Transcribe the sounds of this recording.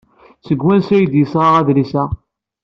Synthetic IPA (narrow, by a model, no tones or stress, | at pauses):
t͡sːəɡwænsæjəd̪jəsʁɑʁæðlisæ